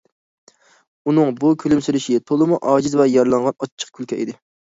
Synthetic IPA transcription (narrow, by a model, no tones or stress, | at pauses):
unɨŋbukʲʰylymsyɾɪʃit̪ʰolˠɨmuʔɑːd͡ʒizvɛjɑɾlˠɑɴʁɑnɑt͡ʃʰːə̥qkʲʰylkʲʰɛʔid̪ɪ